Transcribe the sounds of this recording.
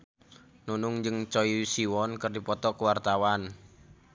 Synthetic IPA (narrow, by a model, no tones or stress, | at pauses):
nunʊŋd͡ʒɨŋt͡ʃɔisiwɔnkərdipɔt̪ɔkəwart̪awan